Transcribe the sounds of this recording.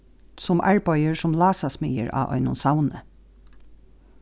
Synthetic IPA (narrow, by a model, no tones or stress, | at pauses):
sʊmʔa̰ɹpɑjəɹsʊmlɑːsasmɪjə̰ɹʔɑ̰ːʔɔ̰ʏnʊnsawnə